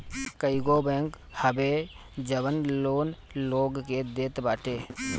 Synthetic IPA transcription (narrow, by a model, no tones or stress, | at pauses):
kəiɡoːbɛ̃ːŋk | həbe | d͡ʒəʋənloːn | loːɡked̪eːt̪baːʈeː